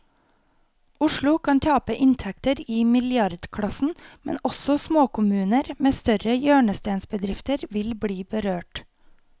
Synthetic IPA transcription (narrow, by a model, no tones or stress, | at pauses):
ʊʃɭʊkʰɑnt̪ʰɑːpəʔɪnt̪ʰɛk̚t̪əɾiːmɪljɑɾd̪kʰɽɑsn̩mɛ̰nɔsɔsmoːkʰʊmʉːnəɾmeːst̪œɾəjøːɳəst̪eːnsbəd̪ɾɪft̪əɾʋɪlbɽiːbəɾøːʈ